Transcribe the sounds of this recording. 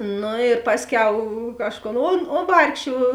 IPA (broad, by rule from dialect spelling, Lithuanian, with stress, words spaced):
ˈnʊ ɪr ˈpɑːsʲˌkʲɛʊ ˈkɑːʃˌkoːn oːn oː ˈʋɐrkʃʲeː